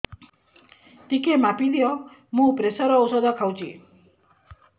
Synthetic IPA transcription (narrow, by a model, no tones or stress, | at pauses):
t̪ikemapid̪ijɔmũpɾesɔɾɔːwsɔd̪akʰawt͡ʃʰḭ